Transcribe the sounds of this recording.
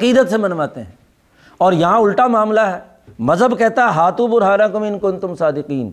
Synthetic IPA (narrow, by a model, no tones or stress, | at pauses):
ɐqiːd̪ət̪semɐnʋaːt̪eɦɛ̰̃ː | ɔːɾjɐɦãʊlʈamaːmlaɦɛː | mɐzɦəbkɛɦt̪aɦɛɦaːt̪ũbʊɾɦaːɾãkʊmɪnkont̪ʊmsaːd̪ɪqiːn